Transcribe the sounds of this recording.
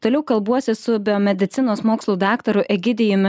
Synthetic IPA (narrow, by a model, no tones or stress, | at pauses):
t̪oːlʲɛʊkɐlˠbuɔsʲɪsʊbʲɪomʲɛd̪ʲɪt̪sʲɪnoːsmoːkslˠuːd̪ɑːkt̪ɐɾʊʔɛɡʲɪd̪ʲɪjʊmʲɪ